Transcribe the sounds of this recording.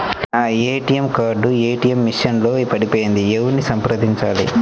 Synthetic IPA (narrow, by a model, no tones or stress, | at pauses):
eːʈijɐmkaːɾɖueːʈijɐmːiʂɐnlo̞ːpɐɽipoːjind̪iewunisɐmpɾɐd̪iɲt͡ʃaːlḭ